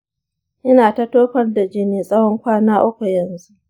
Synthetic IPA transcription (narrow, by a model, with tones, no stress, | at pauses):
ʔɪ˦naː˨ta˦toː˦ɸɐ˦rda˨d͡ʒɪ˦neː˨sʼɐ˦wɔ˦ŋkʷaː˦naː˦ʔʊ˦kʷu˨jɐ˨nzu˦ʔ